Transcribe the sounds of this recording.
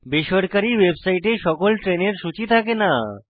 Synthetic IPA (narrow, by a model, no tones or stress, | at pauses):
beʃɔɾkaɾiwebsaiʈeʃɔkolʈɾeneɾʃut͡ɕit̪ʰakena